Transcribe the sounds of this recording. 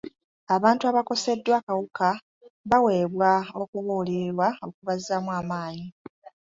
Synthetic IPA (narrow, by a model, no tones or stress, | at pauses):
aβaːntuaβako̞se̞dːwakawuka | βawe̞ːβwao̞kuβuːliɾwaokuβazːamwaːmaːɲi